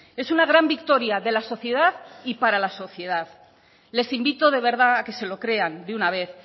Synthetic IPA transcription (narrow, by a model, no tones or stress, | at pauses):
e̞sunaɣ̞ɾambikt̪o̞ɾjaðe̞laso̞θje̞ðaðipaɾalaso̞θje̞ðað | le̞simbit̪o̞ð̞e̞βe̞ɾð̞aːke̞se̞lo̞kɾe̞and̪eunaβ̞e̞θ